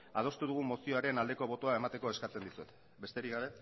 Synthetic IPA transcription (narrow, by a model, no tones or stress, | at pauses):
a̰ð̞o̞st̪uð̞uɣ̞umo̞sio̞aɾe̞nald̪e̞ko̞β̞o̞t̪oae̞mat̪e̞ko̞e̞skat͡se̞nd̪isuet̪ | be̞st̪e̞ɾikɡɣɡaβe̞